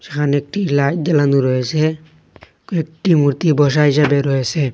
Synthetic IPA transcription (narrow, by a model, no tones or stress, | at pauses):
sɛkʰanek̚ʈilajt̪̚d̪alanuɾɔesɛ | kek̚ʈimuɾt̪ibɔs̬aɦis̬abeɾɔesɛ